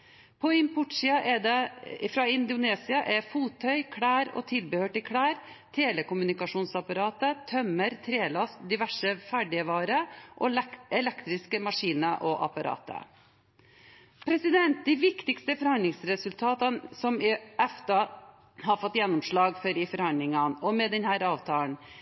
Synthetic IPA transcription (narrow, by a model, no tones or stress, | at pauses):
pʰɔɪmpʰʊʈʂɪɑʔɛd̪ɛfɾɑɪnd̪ʊneːsɪɑʔɛɾfuːt̪ʰœʏkʰɽæːɾɔ̰t̪ʰɪlbəhøːʈɪkʰɽæːɾ | t̪ʰeːlɛkʊmʉnɪkɑʂuːnsɑpɑɾɑːt̪ət̪ʰœməɾt̪ʰɾeːlɑst̪d̪ɪʋæʂəfæɖɪəʋɑːɾəʔɔɛlɛkt̪ɾɪskəmɑʂiːnəʔɔʔɑ̰pɑɾʔɑ̰ːt̪ə̰ | pʰɾɛsɪd̪ɛnt̪̚d̪iːʋɪkt̪ɪkst̪əfɔɾhɑnd̪lɪŋsɾɛsʉlt̪ʰɑːt̪ɑnsɔmɪɛft̪ɑ | ɦɑɾfɔt̪ːjɛnːɔmʂɭɑːɡfɔɾɪfɔɾhɑnd̪lɪŋɑnɔmɛd̪ɛnhæːɾɑːʋt̪ʰɑːn